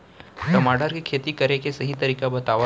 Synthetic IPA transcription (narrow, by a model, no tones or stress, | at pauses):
tɐmaːɖəɾkikʰeːt̪ikɐɾekesɐɦĩt̪ɐɾiːkabɐt̪aːʋa